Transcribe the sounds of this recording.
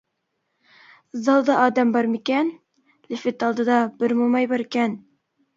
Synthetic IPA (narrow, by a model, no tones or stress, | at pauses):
zɑlˠd̪ɑʔɑd̪ɑmbɑɾmikæn | lɘfɘt̪ɑlˠd̪ɤd̪ɑb̥ɘɾmumɑjbɑɾikæn